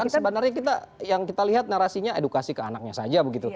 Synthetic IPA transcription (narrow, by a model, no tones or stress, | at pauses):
ansəbənarɲak̬it̪ajaŋkit̪aliɦat̪̚naɾasiɲaedukasikəanak̚ɲasad͡ʒabəɡit̪u